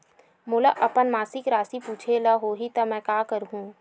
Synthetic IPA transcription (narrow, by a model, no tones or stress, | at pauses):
mʊlaʔɐpənmaːsɪkɾaːsipuːt͡ʃʰelɐɦoːɦit̪ɐmɛ̃kaːkəɾɦũː